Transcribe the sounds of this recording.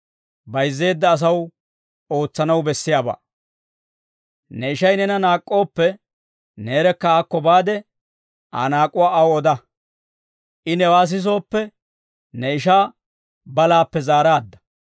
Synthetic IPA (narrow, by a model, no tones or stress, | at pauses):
bɐjzːe̞ːd̪ːɐːs̬ɐw | o̞ːt͡sːɐnɐwbɛsːɪjaːba̰ː | nɛɪʃɐjnɛnɐnaːkʼːo̞ːpːɛ | ne̞ːɾɛkːɐaːkːɔbaːd̪ɛ | a̰ːnaːkʼːʊwaːɐwɔd̪ɐ | ʔɪnɛwaːs̬ɪs̬o̞ːpːɛ | nɛɪʃaː | bɐlaːpːɛzaːɾaːd̪ːɐ̥